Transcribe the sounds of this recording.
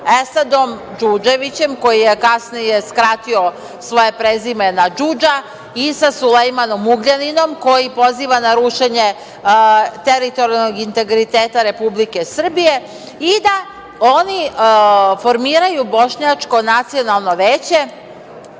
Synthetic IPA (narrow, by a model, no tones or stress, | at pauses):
esad̪o̞m | d͡ʒud͡ʒe̞ʋit͡ɕe̞mko̞jijekasnije̞skɾat̪io | sʋo̞je̞pɾezime̞nad͡ʒud͡ʒa | isasulejmano̞muɡʎanino̞mko̞jipo̞ziːʋanaɾuʃeɲe | t̪eɾit̪o̞ɾialˠnoɡint̪e̞ɡɾit̪eːt̪aɾe̞publike̞sr̩bije̞ | id̪a | o̞ni | fo̞ɾmiːɾajubo̞ʃɲat͡ʂko̞nat̪sio̞nalˠno̞ʋeːt͡ɕe̞